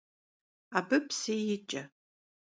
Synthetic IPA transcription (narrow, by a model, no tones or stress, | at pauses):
abɨpʰsejɪt͡ʃʼɐ